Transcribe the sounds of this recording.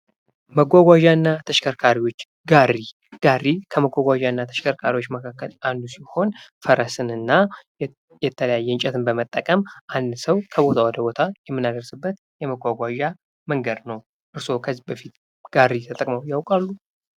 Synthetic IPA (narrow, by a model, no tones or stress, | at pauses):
məɡʷaɡʷaʒanːat̪ʰəʃkʰəɾkʰaɾiwo̞t͡ʃː | ɡarːi | ɡ̥arːikʰəməɡʷaɡʷaʒaɨnːat̪ʰə̥ʃkʰəɾkʰaɾiwo̞t͡ʃːməkʰakːəland̪usiho̞nfəɾəsɨnɨnːa | jɛt̪ʰːələjajːɛɨnt͡ʃʼɛt̪ʰɨnbəmət̪ʼːəkʼəmʔand̪səwkʰəβo̞t̪ʰawɔd̪əbo̞t̪ʰajɛmːɨnːad̪əɾsɨbːət̪ | jɛməɡʷaɡʷaʒa | məŋɡəd̪nəw | ʔɨɾso̞kʰəzːibəfit̪ | ɡ̥arːit̪ʰət̪ʼəkʼməwjawkʼalːu